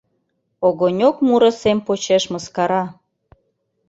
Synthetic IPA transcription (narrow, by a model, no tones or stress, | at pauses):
oɣonʲokmuɾə̆sempot͡ɕeʃmə̆skɑɾɑ